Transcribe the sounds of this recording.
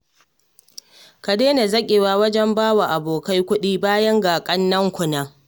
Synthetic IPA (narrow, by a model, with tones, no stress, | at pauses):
ka˨deː˦na˨zɐ˦kʲʼe˨waː˦˨wɐ˦d͡ʒɛ˦mbaː˦wa˨ʔa˨boː˨ka˦jkʷʊ˦ɗiː˦baː˦jɐ˦ŋɡaː˨kʼɐ˦nːɐ˦ŋkʷʊ˨naː˦